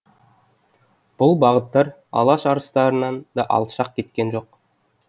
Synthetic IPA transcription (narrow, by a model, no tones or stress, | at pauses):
b̥ʊlˠbɑʁət̪ːɑɾ | ɑ̰lˠɑʃɑɾəst̪ɑɾənɑnd̪ɑʔɑ̰lˠt̪ʃɑq̚kʲe̞t̪kʲenʒo̞q